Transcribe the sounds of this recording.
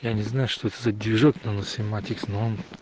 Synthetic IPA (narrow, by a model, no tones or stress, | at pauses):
janʲɪznajʊʂt̪oɛt̪əzɐd̪ʲɪʐoknɐnəsʲɪmat̪ʲɪksnoon